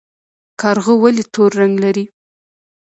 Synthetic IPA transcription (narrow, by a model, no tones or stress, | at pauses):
kɑɾɣəwalit̪ʰoɾːaŋɡlaɾi